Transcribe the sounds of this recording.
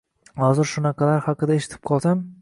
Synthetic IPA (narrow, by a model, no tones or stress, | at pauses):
hɒzɪɾʃʊnɑqʰɑlaɾhɑqɨd̪aeʃɪ̥t̪ʰɪ̥p̚qʰɒlˠsam